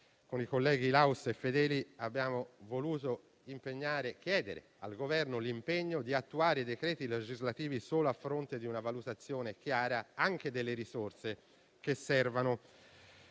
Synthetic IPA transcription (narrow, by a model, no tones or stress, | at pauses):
konikolːɛːɡilawsefːed̪ɛːliabːjaːmovoluːt̪o | impeɲːaːɾek̟jɛːd̪eɾḛ | a̰lɡovɛrnolimpeɲːod̪iat̪ːuaːɾeid̪ekɾɛːt̪iled͡ʒizlat̪iːvisoːloafːɾont̪ed̪iunavalut̪at̪sːjoːnek̟jaːɾaaŋk̟ed̪elːeɾisort̪se | k̟esːɛrvano